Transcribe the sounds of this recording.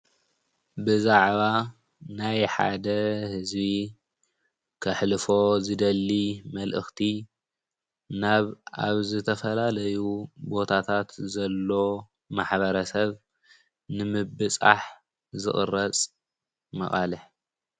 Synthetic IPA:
bɨzaʕβa | najħa̰d̪ɐhɨzbi | kʰɐħlɨfo̞zɨd̪ɐlːimɐlʔɨ̰xt̪ʰi | naβaβzɨt̪ʰɐfɐlalɐjubo̞t̪ʰat̪ʰat̪zɐlːo̞ | maħbɐɾɐsɐβ | nɨmɨbɨt͡sʼa̰ħ | zɨxʼɨ̰rɐt͡sʼ | mɐ̰xʼalɨħ

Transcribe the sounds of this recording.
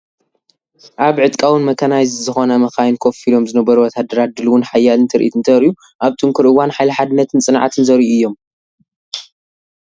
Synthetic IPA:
ʔaβʕɨt̪ʼkʼawɨnmɐkʰɐnajzzɨxo̞nɐmɐxajnkʰofilo̞mzɨnɐbɐɾuwɔt̪ʰad̪ɐɾat̪̚d̪ɨluwʊnħajːalɨnt̪ʰɐɾʔḭt̪ɨnt̪ʰɐɾiju | ʔaβt̪ʰʼɨŋkʰuɾɨwanħajlɐħad̪ɨnːɐt̪ʰɨnt͡sʼɨnʕa̰t̪ʰɨnzɐɾiuɨjːo̞m

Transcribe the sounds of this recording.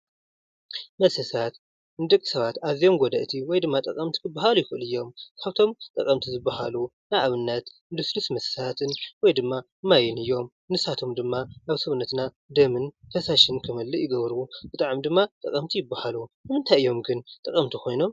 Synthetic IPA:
mɐsɐsat̪ | nɨd̪ɐkʼːi̥sɐβat̪azijo̞mɡɔd̪ɐʔt̪ʰiwɔjd̪ɨmːat̪ʼɐkʼɐmt̪ʰi̥kʰɨbːaɦalujɪkɨʔɨlɨjːo̞mkʰaβt̪ʰo̞mt̪ʼɐkʼɐmt̪ʰizɨbːɐhalunajʔaβɨnːɐt̪ | nd̪ɨslusmɐsɐ̥sat̪ʰɨnwɔjd̪ɨmːa | majɪnɨjːo̞m | nɨsat̪ʰo̞md̪ɨmːaʔaβsɐβunːɐt̪na | d̪ɐmɨnfʰɐsaʃɨnkʰɨmɐlːɨjɪɡɐβɾub̥ɨt̪ʼaʕmid̪ɨmːat̪ʼɐkʼɐmt̪ʰijɪbːahalunɨmɨnt̪ʰajjo̞mɡɨnt̪ʼɐkʼɐmt̪ʰixʰo̞jno̞m

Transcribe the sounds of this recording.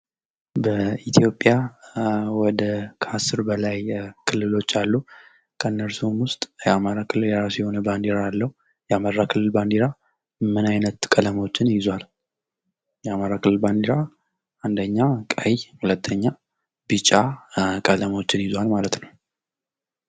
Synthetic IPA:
bəit̪ʰijo̞pʼja | wɔd̪əkʰasɨɾbəlajkʰɨlːɨlo̞t͡ʃːalːu | kʰənːəɾsumwʊst̪ʼjɛamaɾakʰɨlːɨljɛɾasjɛho̞nəband̪iɾaalːəhu | jamarːakʰɨlːɨlband̪iɾa | mɨnajnət̪kʼələmo̞t͡ʃːɪnjɪzwal | jɛamaɾakʰɨlːɨlband̪iɾa | ʔand̪əɲːakʼəjhulət̪ʰːəɲːa | bɨt͡ʃʼːakʼələmo̞t͡ʃːɪnjɪzwalmalət̪nəw

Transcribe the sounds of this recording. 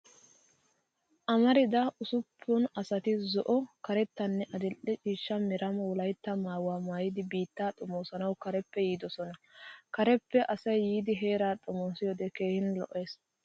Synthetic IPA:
ʔɐmɐɾɪd̪ɐʔʊsʊpʰːʊnɐsɐt̪ɪzɔʔɔkɐɾɛt̪ːɐnːɛʔɐd̪ɪlʔːɛt͡ʃʼiːʃːɐmɪɾʔɐmɐwʊlɐjt̪ːɐmaːwaːmaːjɪd̪ɪbiːt̪ːaːt̪ʼɔmoːsɐnɐwkɐɾɛpːɛjiːd̪ɔsɔnɐkɐɾɛpːɛʔɐsɐjːiːd̪ɪɦe̞ːɾaːt̪ʼʊmoːsɪjɔːd̪ɛke̞ːhɪnlɔ̰ʔe̞ːs

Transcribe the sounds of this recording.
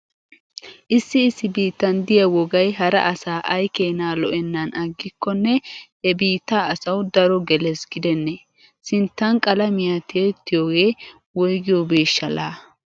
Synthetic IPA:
ʔɪsːɪɪsːɪbiːt̪ːɐnd̪ɪjɐwɔɡɐjɦɐɾɐ̰ʔɐsaːʔɐjkeːnaːlɔʔɛnːɐnɐɡːɪkːɔnːɛhɛbiːt̪ːaːɐsɐwd̪ɐɾɔɡɛlɛsɡɪd̪ɛnːɛ | sɪnt̪ːɐnkʼɐlɐmɪjat̪ʰeːt̪ːɪjoːɡeː | wɔjɡɪjobeːʃːɐlaː

